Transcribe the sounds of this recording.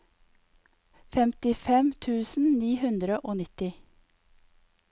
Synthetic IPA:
fɛmt̪ɪfɛmt̪ʰʉːsn̩niːhʉnd̪ɾəʔoːnɪt̪ɪ

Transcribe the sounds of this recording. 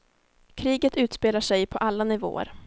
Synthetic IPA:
kʰɾiːɡət̪ʉ̟ːt̪speːlaʂɛjpʰɔʔalːanɪvo̰ːə̰ɾ

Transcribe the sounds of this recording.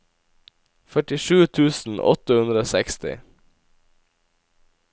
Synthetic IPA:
fœʈɪʃʉːt̪ʰʉːsn̩ʔɔ̰t̪əhʉnd̪ɾəoːsɛkst̪ɪ̰

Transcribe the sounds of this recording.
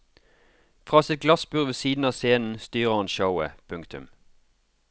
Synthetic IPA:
fʁɑːsɪt̪̚ɡlɑsbʉːʁʋeːsiːd̪n̩ɑːseːnn̩st̪yːʁəhɑnʃəʊə̰pʰʉŋkt̪ʉ̰m

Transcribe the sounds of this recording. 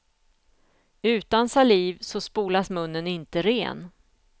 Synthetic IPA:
ʉ̟ːt̪ansaliːvsɔspuːlasmɵnːənɪnt̪əɾḛːn

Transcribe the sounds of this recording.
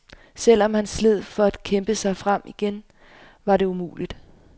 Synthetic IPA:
sel̰ɒ̽mhænsle̝ð̰ˠfɒ̽æd̥kʰemb̥əsɑ̈ɪfʁam̰iɡ̥en | ʋɑ̈ɾe̝umṵːlid̥

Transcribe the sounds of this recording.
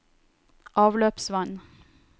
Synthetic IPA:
ʔɑːʋløːpsʋɑn

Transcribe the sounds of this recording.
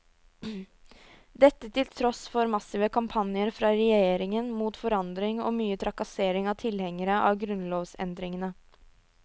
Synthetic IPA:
d̪ɛt̪ːət̪ʰɪlt̪ʰɾɔsfɔɾmɑsɪʋəkʰɑmpʰɑnɪəɾfɾɑːɾɛjeːɾɪŋənmuːt̪fɔɾɑnd̪ɾɪŋɔ̰ːmyːət̪ʰɾɑkɑseːɾɪŋɑʋt̪ʰɪlhɛŋːəɾəʔɑ̰ːʋɡɾʉnloːʋsɛ̰nd̪ɾɪŋənə

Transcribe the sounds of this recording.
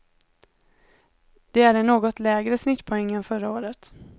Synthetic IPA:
d̪̥ɛæɖɛɳoːɡɔt̪lɛːɡɾəsnɪt̪ːpʰɔɛŋːənfœɾaoːɾət̪

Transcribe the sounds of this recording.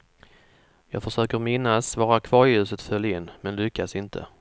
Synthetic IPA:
jɑ̰ːɡfœʂøːkəɾmɪnːasvɑːɾakʰv̥ɑːɾɪjʉ̟ːsət̪fœljaɪnːmɛnlʏkːasɪnt̪ʰə̰

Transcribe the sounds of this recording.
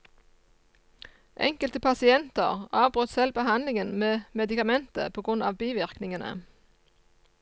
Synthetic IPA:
ʔɛ̰ŋkəlt̪əpʰɑsɪɛnt̪əʁɑːʋbʁœt̪sɛlbəhɑnlɪŋənmeːmɛd̪ɪkɑmɛnt̪ə̰pʰoːɡʁʉnɑ̰ːʋbiːʋɪʁknɪŋənə̰

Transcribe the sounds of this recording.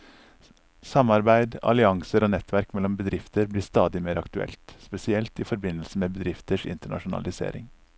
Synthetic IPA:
sɑmːɑɾbæɪd̪ɑ̰lɪɑŋsəɾoːnɛt̪ʰʋæɾkmɛlːɔmbəd̪ɾɪft̪əɾbliːst̪ɑːd̪ɪmeːɾɑkt̪ʉɛ̰lt̪spɛsɪɛlt̪iːfɔɾbɪnːlsəmeːbəd̪ɾɪft̪əʂɪ̰nt̪əɳɑ̰ʂʊnɑ̰lɪsḛːɾɪ̰ŋ

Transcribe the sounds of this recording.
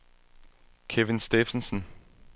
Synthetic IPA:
kʰeʋensd̥efənsən

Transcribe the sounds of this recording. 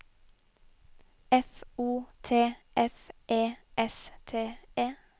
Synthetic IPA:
ɛfuːt̪ʰeːʔɛfʔeːʔɛst̪ʰeːeː

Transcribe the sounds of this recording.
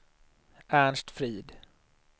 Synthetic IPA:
æɳʂʈ̪fɾiːd̪

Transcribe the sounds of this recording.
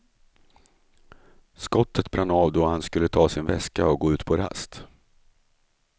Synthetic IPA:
skɔt̪ʰːət̪bɾʔanːɑːvd̪ɔhanskɵlːət̪ʰɑːsɪnvɛskaɔɡoːʉ̟ːt̪pʰɔɾa̰st̪

